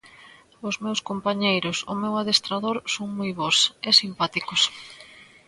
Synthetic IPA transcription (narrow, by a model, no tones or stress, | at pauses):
ʊzmewskompaɲejɾʊsʊmewaðest̪ɾaðoɾsoŋmojβɔsɛsimpat̪ikʊs